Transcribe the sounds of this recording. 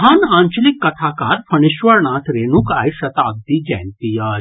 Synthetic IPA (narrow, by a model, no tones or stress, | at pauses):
ɦaːnaːɲt͡ʃəlikːɐt̪ʰaːkaːɾpʰɐɳ̃iʃʋəɾɳaːt̪ʰɾeːnuka̰ːjʃɐt̪aːɡ̚d̪iːd͡ʒɛ̰ːnt̪ijaː